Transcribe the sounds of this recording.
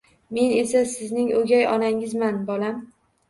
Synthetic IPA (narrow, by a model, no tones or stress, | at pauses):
me̞ne̞sasɪznɪŋɵɡʲajɒnaŋɪzmanbɒlam